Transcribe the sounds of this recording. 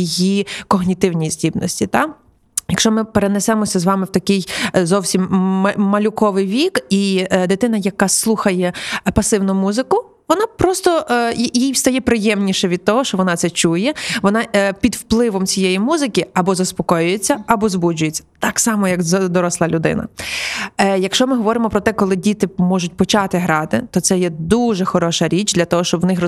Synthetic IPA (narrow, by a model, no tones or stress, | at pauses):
ijikɔɦnʲit̪ɪwnʲijisʲdʲibnɔ̰sʲtʲit̪ɑ | jɐkʃt͡ʃɔmɪpeɾenɛsɛmɔsʲɐzʋɑmɪwt̪ɐkɪjzɔwsʲimmɐlʲʊkɔʋɪjʋʲikid̪ɪt̪ɪnɐjɐkɑslˠuxɐjɛpɐsɪwnʊmuzɪkʊ | ʋɔnɑpɾɔst̪ɔʔjjijwst̪ɐjɛpɾɪjɛmnʲiʃɛʋʲid̪̚t̪ɔɦɔʃt͡ʃɔʋɔnɑt̪ɛt͡ʃujɛʋɔnɑpʲid̪wplˠɪʋɔmt͡sʲijɛjimuzɪkʲiɐbɔzɐspɔkɔjʊjet͡sʲːɐɐbɔzbud͡ʒʊjet͡sʲːɐt̪ɑksɑmɔjɐɡd̪ɔɾɔslˠɑlʲʊd̪ɪ̰nɐ̰ | jɐkʃt͡ʃɔmɪɦɔʋɔɾɪmɔpɾɔt̪ɛkɔlˠɪdʲit̪ɪmɔʒʊtʲpɔt͡ʃɑt̪ɪɦɾɑt̪ɪ̰t̪ɔt̪sɛjɛd̪uʒɛxɔɾɔʃɐɾʲit͡ʃd̪lʲɐt̪ɔɦɔʃt͡ʃɔbwnɪxr